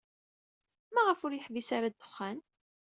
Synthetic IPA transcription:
mæʁəfʊɾjəħvisaɾad̪ːə̥χːæn

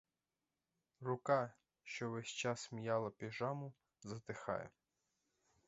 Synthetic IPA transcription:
rʊkɑ | ʃt͡ʃɔʋɛsʲt͡ʃɑsmijɑlˠɐpʲiʒɑmʊ | zɐt̪ɪxɑ̰jɛ̰

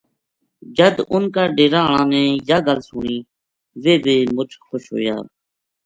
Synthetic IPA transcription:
d͡ʒəd̪ʊnkaːɖeːɾãːɳãːnɛ̃ːjaːɡəlsʊːɳiː | ʋeːbeːmʊt͡ʃʰxoʃɦo̰ːja̰ː

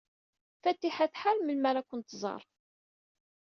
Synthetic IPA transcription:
fæt̪ːiħæθħalməlmæɾækʷːənt̪zˤɑ̰ɾˤ

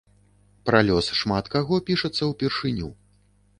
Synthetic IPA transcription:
pɾalʲɔsʂmat̪kaɣɔpʲiʂɐt̪sːɐwpʲɛrʂɨnʲṵ

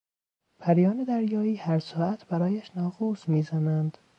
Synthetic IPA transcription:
pʰæɾjɒːned̪æɾjɒːiːhæɾsɒːʔæt̪ʰbæɾɒːjæʃnɒːɡuːsmiːzænænd̪̥

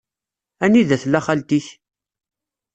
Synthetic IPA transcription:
æniðæθlːæχalt̪iç

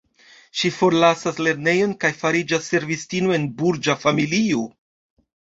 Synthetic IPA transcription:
ʃifo̞ɾlasasle̞ɾne̞jo̞nkajfaɾid͡ʒasːe̞ɾvistinoe̞nbuɾd͡ʒafamilio

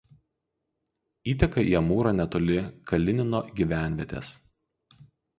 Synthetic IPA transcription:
iːt̪ʲɛkɐiɐmuːɾɐnʲɛt̪oːlʲɪkʰɐlʲɪnʲɪnoːɡʲiʋʲæˑnʲʋʲɛt̪ʲḛːs

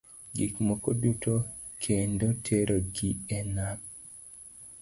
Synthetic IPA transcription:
ɡikmokoduto | kʰendotʰeɾʔoɡiɛnak

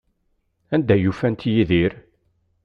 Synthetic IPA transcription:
ænd̪æjufænt̪jiðiɾ

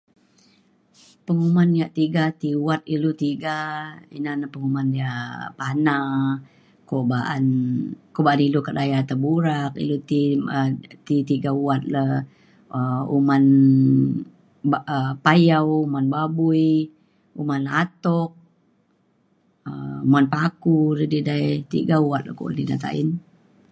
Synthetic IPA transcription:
pəŋumanjaʔt̪iɡat̪iuat̪̚ilut̪iɡaḭnanapəŋumandiapana | kobaʔa̰nkobaanilukat̪ajat̪əbuɾak̚ḭlut̪iət̪it̪iɡauat̪̚la | əṵman | baəpajawumanbabui | umanat̪ɔk̚ | əumanpakuɾədidajt̪ḭɡauat̪̚lako̰ʔnina̰t̪a̰ʔḭn

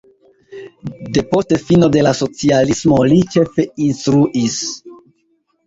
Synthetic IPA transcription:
de̞po̞ste̞fino̞de̞laso̞t͡sialismo̞lit͡ʃe̞fe̞instɾuʔis

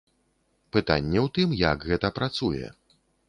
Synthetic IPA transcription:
pɨt̪a̰nʲːɛwt̪ɨmjakɣɛt̪ɐpɾat̪sujɛ̰

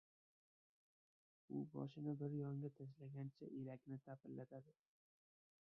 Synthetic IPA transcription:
ʊbɒ̰ʃɪnɪbɪɾjɒŋɡʲat̪ʰaʃ̬laɡʲant͡ʃʰaʔelakʲnɪt̪ʰapʰɪllːat̪ʰad̪ɪ

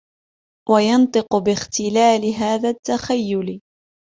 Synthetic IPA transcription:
wʔajɑnt̪ˤɨqʊbɪxt̪ɪlaːlɪɦaːðat̪ːaxajːʊl

